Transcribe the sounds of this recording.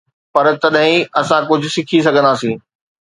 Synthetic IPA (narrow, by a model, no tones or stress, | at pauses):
pɐɾt̪ɐɗɦɪ̃ɐsãkʊd͡ʑʱʊsɪkʰis̬ɐɡʱə̃nd̪aːsĩː